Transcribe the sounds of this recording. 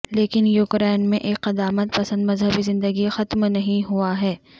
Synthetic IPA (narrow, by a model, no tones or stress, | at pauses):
leːkɪnjuːkɾɛːnmẽʔeːkːɐd̪aːmət̪̚pɐsə̃nd̪mɐzɦəbizɪ̃nd̪əɡixɐt̪mnɐɦĩɦuaɦɛː